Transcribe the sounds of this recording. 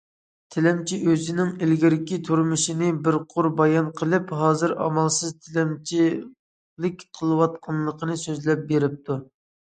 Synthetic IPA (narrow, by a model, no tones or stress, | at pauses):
t̪ʰɪlɛmt͡ʃʰiʔøzɪnɪŋɪlɡʲiɾɪkʲit̪ʰuɾmɨʃinɪbɪɾqʰʊɾbɑjɑnqʰəlˠɨpɦɑːzɨɾɑ̰mɑlˠsɨzt̪ʰɪlɛmt͡ʃʰi | lɪkʲqʰəlˠɨwɑt̪̚qʰɑnlˠəqʰənɨsøzlɛp̚beɾɪp̚t̪ʰu